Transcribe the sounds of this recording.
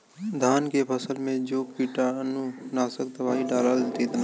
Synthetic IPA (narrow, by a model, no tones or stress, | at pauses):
d̪ʱaːnkepʰəsəlmẽd͡ʒoːpiːʈaənunaːsək̚d̪ɐbaːiɖaːlalt̪it̪na